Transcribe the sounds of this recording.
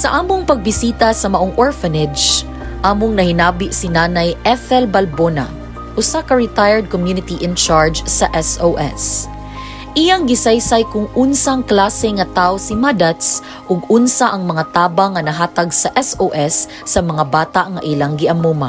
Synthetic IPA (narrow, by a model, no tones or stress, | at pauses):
sɐʔaːmoŋpɐɡ̚bɪsiːt̪ɐsɐmɐʔoŋʔoɹfɐnɛd͡ʒ | ʔaːmoŋnɐhɪnaːbɪʔsinaːnɐjʔɛfɛlbɐlbona̰ | ʔʊsakɐɹɪt̪ajɛɹd̪̚komjunɪt̪iʔɪnt͡ʃaɹd͡ʒsɐʔɛsowʔɛ̰s | ʔɪjaŋɡɪsajsajkʊŋʊnsaŋklaːsɛŋɐt̪aʔosɪmad̪ɐt̪s | ʔʊɡʊnsaʔɐŋmɐŋat̪aːbɐŋːɐnɐɦaːt̪ɐɡsɐʔɛsoʔɛsː | ɐmɐŋabaːt̪aʔŋɐʔilaŋɡɪʔɐmuːma